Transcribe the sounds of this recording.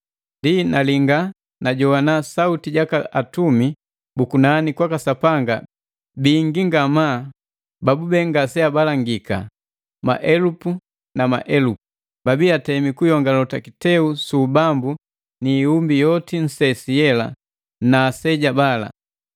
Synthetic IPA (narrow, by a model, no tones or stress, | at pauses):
ndinaliŋɡa | naɟɔwanasautiɟakaʔatumi | bukunanikwakasapaŋɡa | biːŋɡiŋɡamaː | babubɛŋɡasɛabalaŋɡika̰ | ma̰ʔɛlupu | nama̰ʔɛlupu | babiatɛmikujɔŋɡalɔtakitɛusubambu | niːumbijɔtin̩sɛsijɛla̰ | naːsɛɟabala̰